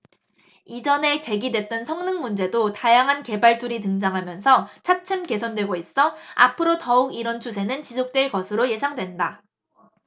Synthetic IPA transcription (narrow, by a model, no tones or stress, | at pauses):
id͡ʑʌne̞t͡ɕe̞ɡidwe̞t̚t͈ʌnsʰʌŋnɯŋmund͡ʑe̞dotajaŋɦanke̞baɭt͈uɾit̬ɯŋd͡ʑaŋɦamjʌnsʰʌt͡ɕʰat͡ɕʰɯmke̞sʰʌndwe̞ɡois͈ʌapʰɯɾotʌuɡiɾʌnt͡ɕʰusʰe̞nɯnt͡ɕisʰok̚t͈weɭɡʌsʰɯɾoje̞sʰaŋdwe̞nda